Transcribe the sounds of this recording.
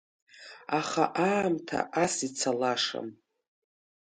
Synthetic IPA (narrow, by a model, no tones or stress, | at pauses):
aχa̰ʔaːmtʰa̰ʔasit͡sʰalaʂa̰m